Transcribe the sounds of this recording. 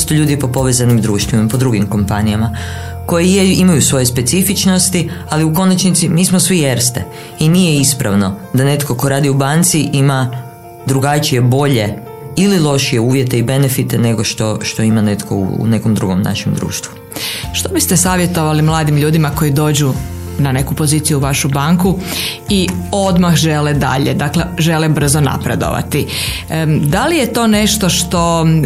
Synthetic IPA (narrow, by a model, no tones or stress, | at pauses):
st̪oʎuːd̪ipo̞po̞ʋezanimd̪ɾuːʃt̪ʋimapo̞d̪ɾuɡimko̞mpanijama | ko̞jijeimajusʋo̞jespe̞t̪sifit͡ʃno̞st̪ialiuko̞nat͡ʃnit̪simiːsmosʋijeɾst̪ḛ | inije̞ispɾa̰ʋno̞d̪ane̞t̪ko̞ko̞ɾaːd̪iubant̪siʔima | d̪ɾuɡat͡ʃije̞bo̞ʎe̞ | ililˠo̞ʃije̞uːʋje̞t̪e̞ibe̞ne̞fit̪ene̞ɡo̞ʃt̪o̞ʃt̪o̞imane̞t̪kʰo̞̰ṵne̞komd̪ɾuɡomna̰ʃemd̪ɾṵːʃt̪ʋu | ʃt̪obist̪esaːʋje̞t̪o̞ʋalimlˠaːd̪imʎuːd̪imako̞jid̪o̞ːd͡ʑu | nane̞kupo̞ziːt̪sijuʋaʃubaŋku | io̞d̪maxʒeled̪a̰ʎed̪akle̞ʒe̞lebr̩zona̰pɾe̞d̪o̰ʋa̰t̪i | d̪alije̞t̪o̞ːne̞ʃt̪o̞ʃt̪o̞